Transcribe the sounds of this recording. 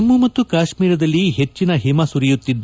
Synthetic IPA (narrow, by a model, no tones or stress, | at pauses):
ɐmːumɐt̪ːukaːʃmiːɾɐd̪ɐlːiɦet͡ʃːinɐɦimasuɾijut̪ːid̪ː